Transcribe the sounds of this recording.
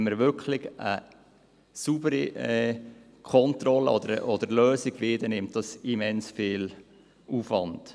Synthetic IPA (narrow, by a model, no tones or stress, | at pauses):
nməɾʋʏɾkʰlɪɡə | subəɾiɛ | kʰɔntɾɔləɔd̪əɾɔd̥̪əɾløːsiɡ̥ʋiːdənɪmt̚d̥ɑsimɛnsfɪːl | ʔuːfvɑnd̥